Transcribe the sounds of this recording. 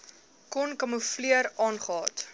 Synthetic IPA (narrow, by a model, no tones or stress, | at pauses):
kɔnkɐmufliəɾɑːnχəɑːt